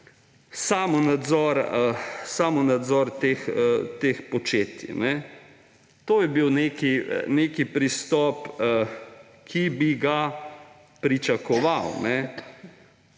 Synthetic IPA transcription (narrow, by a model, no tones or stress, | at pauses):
saːmɔnad̪zɔɾəsaːmɔnad̪zɔɾt̪eːxət̪eːxpɔt͡ʃeːt̪ḭnɛ | t̪oːjɛbiwneːkinekipɾist̪ɔːp | kʰibiɡa | pɾit͡ʃɐkɔʋawnɛ